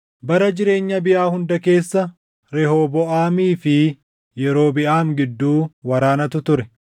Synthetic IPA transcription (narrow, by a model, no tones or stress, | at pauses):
bɐɾɐd͡ʒɪɾe̞ːɲːɐbɪʔaːhʊnd̪ɐke̞ːsːɐ | ɾɛhoːbɔʔaːmiːfɪ | jɛɾo̞ːbɪʔaːŋɡɪd̪ːuːwɐɾaːnɐt̪ʊt̪ʊɾɛ